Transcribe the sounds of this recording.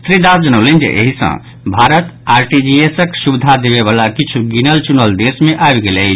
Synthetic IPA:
t̪ɾid̪asd͡ʒənəʊlend͡ʒḛʔḛɦisə̰̃ | bʱaɾət̪aɾʈid͡ʒiesəksubid̪ʱad̪eβeβalakit͡ʃʰuɡinəlt͡ʃunəld̪esmeʔaebɡelət͡ʃʰ

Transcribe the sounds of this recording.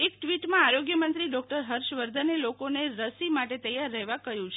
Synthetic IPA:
ek̚ʈʋiʈmãaɾoɡjəmənt̪ɾiɖɔk̚ʈəɾɦəɾʃʋəɾd̪ʱənelokoneɾəsimaʈet̪əjaɾːəɦʋakəjũt͡ʃʰe

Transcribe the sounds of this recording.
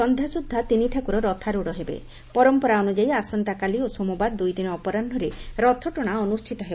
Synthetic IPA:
ɔnd̪ʱjasud̪ʱːat̪iniʈʰakuɾɔɾɔt̪ʰaɾuɽɔɦebḛ | pɔɾɔmpɔɾaɔnud͡ʒajasɔnt̪akaliosomubaɾd̪ujd̪inɔːpɔɾanɖʱɔɾeɾɔt̪ʰɔʈɔɽ̃aɔnusʈʰit̪ɔɦeb

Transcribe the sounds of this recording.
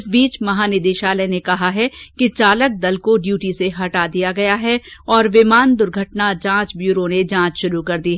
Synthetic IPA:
ɪsbiːt͡ʃmɐɦaːnɪd̪eːʃaːlɛnekɐɦaɦɛkit͡ʃaːlək̚d̪ɐlkoɖjuːʈiseɦɐʈad̪ijaɡɐjaɦɛɔːɾʋɪmaːnd̪ʊɾɡʱɐʈnad͡ʒãːt͡ʃbjuːɾoned͡ʒãːt͡ʃʃʊɾukɐɾd̪iɦɛ

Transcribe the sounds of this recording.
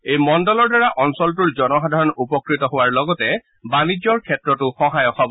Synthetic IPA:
ejmɔndɔlɔɹdaɹaʔɔnsɔlt̬uɹzɔnɔxadʱaɹɔnupɔkɹitɔɦʊwaɹlɔɡɔtɛ | banid͡ʒɔɹkʰɛtɹɔtʊxɔɦajɔxʰabɔ

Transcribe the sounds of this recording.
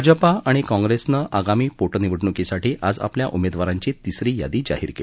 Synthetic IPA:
d͡zəpaaɽ̃ikɔ̃ŋɡɾesnəʔaɡamiːpoʈniʋəʈɳukisaʈiːʔad͡za̰plja̰ʔumed̪ʋaɾãɲt͡ɕiːt̪isɾiːja̰d̪iːd͡ʑa̰ɦḭːɾkḛ

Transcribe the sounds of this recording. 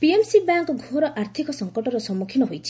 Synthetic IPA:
piemsibaŋkɔɡʱoɾɔʔaɾt̪ʰikɔsɔŋkɔʈɔɾɔsɔmukʰinɔɦojt͡ʃʰi̥

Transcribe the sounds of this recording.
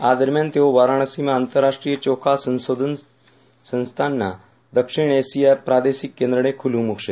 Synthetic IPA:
ad̪əɾmjant̪eoʋaɾaɳ̃əsimaːnt̪əɾːaʂʈɾijət͡ɕokʰasə̃nsod̪ʱən | sə̃ñst̪ʰanːa̰ | d̪əkʂiɳesijapɾad̪esikːẽnd̪ɾəɽ̃ekʰulumukʂe

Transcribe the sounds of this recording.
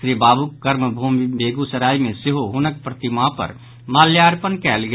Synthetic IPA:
ɾibaːbukkəɾməbʱumbeːɡusəɾaːimẽsɪɦoɦʊnək̚pɾət̪imapə̰ɾ | maːljaɾpənkɛːlɡ

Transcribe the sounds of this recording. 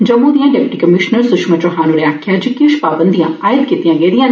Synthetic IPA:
d͡ʒɐmːũd̪ijãːɖɛːpɪʈiːkəmɪʃnəɾsʊʃmət͡ʃɔɦaːnuɾeaːkʰɪjaːd͡ʒikɪʃpaːbə̃nd̪ijãːaːjəd̪kiːt̪ijãːɡɛid̪ijãː

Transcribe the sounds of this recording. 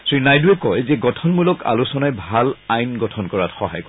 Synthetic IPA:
sɹinajduɛkɔjzɛɡɔtʰɔnmulɔka̰lusɔnajbʱalajnɡɔtʰɔnkɔɹatxɔɦa̰jk

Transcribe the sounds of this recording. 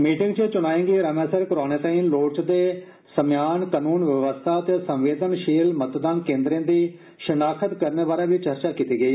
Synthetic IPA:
miːʈɪŋɡt͡ʃət͡ʃʊnaːẽːŋɡiːɾəmɛːsəɾkəɾaːneːt̪ə̃ːĩːloːt͡ʃd̪eː | səmjaːnkanuːnʋəʋəst̪ʰaːt̪esəmʋeːd̪ənʃiːlmət̪d̪aːnkẽːnd̪ɾẽːnd̪iː | ʃənaːkʰət̪kəɾneːbaːɾaːʋiːt͡ʃəɾt͡ʃaːkiːt̪iːɡəiː

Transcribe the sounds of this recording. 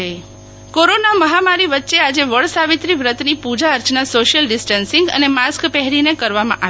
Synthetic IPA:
koɾonaməɦamaɾiʋətːʃead͡ʒeʋəɭsaʋit̪ɾiʋɾət̪nipud͡ʒaəɾt͡ʃnasoʃjəlɖɪsʈənsɪŋɡə̰nemaskpɛɦɾinekəɾʋamã̰ʔa

